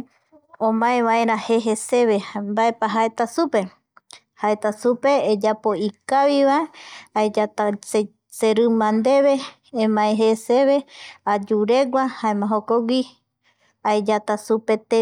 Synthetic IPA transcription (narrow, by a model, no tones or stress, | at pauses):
õmãẽβaeɾaheɦese̞βembaepaɦaet̪asupe̞ | haet̪asupe̞ːd͡ʒapo̞ikaβiβaeaed͡ʒat̪ase | seɾɨmãnd̪e̞βe | ẽmãeɦeseβe̞ad͡ʒuɾe̞ɡʷahaẽmãɦokoɡʷi | aed͡ʒat̪asupe̞t̪e